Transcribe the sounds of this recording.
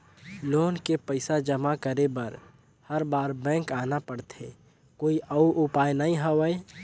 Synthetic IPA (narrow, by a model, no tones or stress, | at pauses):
loːnkepəɪsad͡ʒəmakəɾebəɾ | həɾbaːɾbɛ̃ːŋkaːnapəɽt̪ʰe | koːiʔəuʔʊpaːjnaɦĩɦəwəe